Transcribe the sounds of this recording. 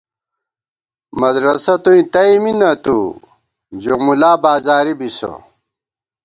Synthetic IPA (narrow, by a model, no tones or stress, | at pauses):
mɐd̪ɾɐsɐt̪uĩt̪ɐiminɐt̪u | d͡ʑomulaːbaːzaːɾibiso̰